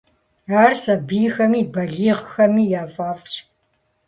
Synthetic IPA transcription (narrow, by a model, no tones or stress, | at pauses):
aːrsɐbijxɐmiːbɐɮiːʁxɐmiːjaːfaːft͡ʃʰʼ